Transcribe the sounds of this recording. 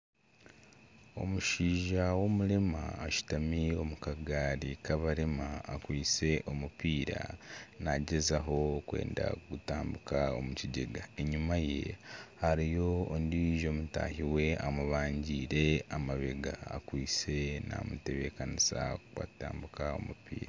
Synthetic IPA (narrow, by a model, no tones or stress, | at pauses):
o̞̰muʃiːʒawo̞mulemaːʃu̥tamio̞mukaɡaɾikaβaɾemaːkwiːt͡se̞ʔo̞mupiːɾa̰naɟezaɦo̞kwe̞̰ːnda̰kutaːmbukaomuciɟe̞ɡaeɲumaje̞̰haɾijo̞ːndiʒo̞muta̰hiwe̞amuβaːɲɟiːɾe̞amaβe̞ɡa̰ːkwiːt͡se̞na̰mute̞βe̞kanisakwa̰taːmbukao̞̰mupḭːɾa